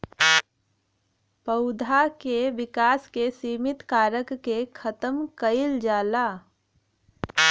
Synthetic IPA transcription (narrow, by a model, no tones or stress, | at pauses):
pəʊd̪ʱakeʋɪkaːskesiːmɪt̪kaːɾəkːekʰət̪əmkəɪld͡ʒaːlaː